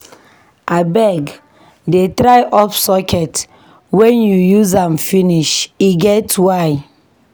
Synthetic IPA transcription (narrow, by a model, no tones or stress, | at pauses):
abɛɡ | detɾaɪʔɔfsɔkʰɛt | wɛ̃njujuzãmfiniʃiɡɛtwaɪ